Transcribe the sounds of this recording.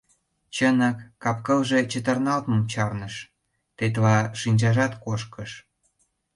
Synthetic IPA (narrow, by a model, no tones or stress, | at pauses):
t͡ɕənəkːɑpkəlʒet͡ɕət̪ə̆rnɑlt̪məmt͡ɕɑrnəʃ | t̪et̪̬lɑʃinʲt͡ɕɑʒɑt̪koʃkəʃ